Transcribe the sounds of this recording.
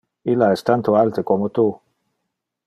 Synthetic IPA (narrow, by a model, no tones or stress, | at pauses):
ilaɛst̪ant̪oalt̪ekomot̪u